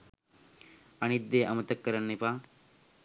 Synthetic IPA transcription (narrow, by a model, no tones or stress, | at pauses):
ɐnid̪ːeːʔɐmɐt̪ɐkːɐɾɐnːipaː